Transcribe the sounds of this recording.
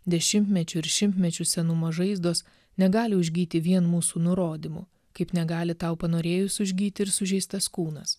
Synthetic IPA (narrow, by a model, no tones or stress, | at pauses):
d̪ʲɛʃʲɪmʲt̪ʲmʲɛt͡ʃʲʊɪɾʃʲɪmʲt̪ʲmʲɛt͡ʃʲʊsʲɛnʊmoːʒɐɪzd̪oːs | nʲɛɡɑːlʲɪʊʒʲɡʲiːt̪ʲɪʋʲiɛnmuːsuːnʊɾoːd̪ʲimʊ | kɐɪpnʲɛɡɑːlʲɪt̪ɑˑʊpɐnoːɾʲeːjʊsʊʒʲɡʲiːt̪ʲɪɪɾsʊʒʲɛɪst̪ɐskuːnɐs